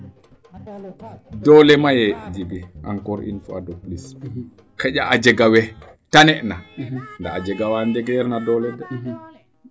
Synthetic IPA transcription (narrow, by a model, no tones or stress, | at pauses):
dɔlɛmajɛd͡ʒiɡiʔa̰nkɔɾḭnfa̰doplis | kɛʄaʔad͡ʒɛɡawɛ | tanɛʔnandaad͡ʒɛɡawandɛɡɛɾnadɔlɛda